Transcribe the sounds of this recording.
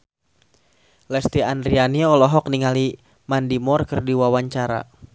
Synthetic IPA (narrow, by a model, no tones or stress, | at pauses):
lɛst̪iandɾianiɔlɔɦɔk̚niŋali | mandimɔrkərdiwawaɲt͡ʃaɾa̰